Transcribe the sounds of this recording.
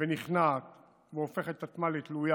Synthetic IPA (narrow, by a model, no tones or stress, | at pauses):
veniχnat̪ | veofe̞χet̪at̪malet̪luja